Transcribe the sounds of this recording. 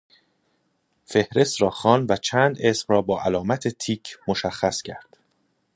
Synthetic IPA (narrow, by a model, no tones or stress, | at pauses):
fe̞hɾe̞st̪ɾɒːxɒːnd̪væt͡ʃʰæːnd̪e̞smrɒːbɒːʔælɒːmæt̪ʰe̞t̪ʰiːcʰmoʃæxːæscʰæ̰ɾd̪̥